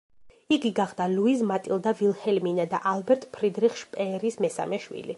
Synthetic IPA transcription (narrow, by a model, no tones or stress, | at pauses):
iɡiɡaχd̪̥aluizmat̪ʼilˠd̪avilˠhɛlminad̪a̰ʔalbɛɾt̪ʼpʰɾid̪ɾiχʃpʼɛɾismɛsa̰mɛʃwḭlḭ